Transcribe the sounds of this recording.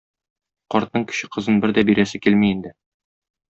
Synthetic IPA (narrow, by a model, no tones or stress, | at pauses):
qɒɾt̪̚nɤɴkɵ̥̆ɕɘqɤ̆zɤnbɘɾd̪æbiɾæsɘkilmiːnd̪ɘ